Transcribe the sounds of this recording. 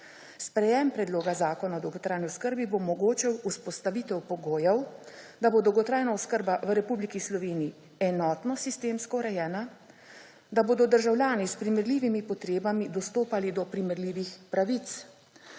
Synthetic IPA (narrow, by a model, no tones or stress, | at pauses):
spɾɛjɛmpɾɛd̪loːɡazaːkɔnaɔd̪ɔwɡɔt̪ɾaːjniɔskəɾbibomɔɡoːt͡ʃɛwuspɔst̪aʋit̪ɛwpɔɡoːjɛw | d̪aboːd̪ɔwɡɔt̪ɾaːjnaɔskəɾbaʋəɾɛpublikislɔʋeːnii | ɛnɔːt̪nɔsist̪eːmskɔɾɛjɛːna | d̪aboːd̪ɔd̪əɾʒawlʲjaːnispɾimɛɾliːʋimipɔt̪ɾeːbamid̪ɔst̪oːpalid̪ɔpɾimɛɾliːʋixpɾaʋit̪s